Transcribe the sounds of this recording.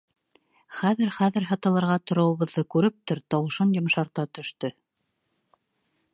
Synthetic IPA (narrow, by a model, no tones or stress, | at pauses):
χæðɘɾχæðɘ̆ɾɦɑt̪ɑlˠɑ̆ɾʁɑt̪ŏɾŏwɤ̆βɤ̆ðːɤkʉɾɘp̚t̪oɾt̪ɑwɤ̆ʃɤnjŏmʃɑɾt̪ɑt̪ɵ̆ʃt̪ɵ